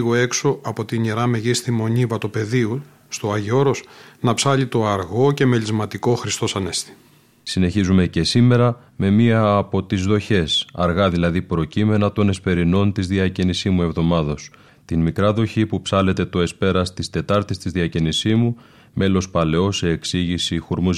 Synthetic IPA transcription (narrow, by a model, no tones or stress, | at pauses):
ɣoe̞kso̞ɐpo̞t̪iɲeɾɐme̞ʝist̪imo̞ɲivɐt̪ope̞ðiu | st̪o̞ɐʝo̞ɾosnɐpsɐʎit̪o̞ɐɾɣo̞ce̞me̞ʎizmɐt̪iko̞xɾist̪o̞sɐne̞st̪i̥ | sine̞çizume̞ce̞sime̞ɾɐ | me̞miɐːpo̞t̪izðo̞çe̞sɐɾɣɐðilɐðipɾo̞cime̞nɐt̪o̞ne̞spe̞ɾino̞nt̪izðiɐcinisimue̞vðo̞mɐðo̞s | t̪inmikɾɐðo̞çipupsɐle̞t̪e̞t̪o̞e̞spe̞ɾɐst̪ist̪e̞t̪ɐɾt̪ist̪izðiɐcinisizmu | me̞lo̞spɐle̞o̞se̞ːksiʝisixuɾmuz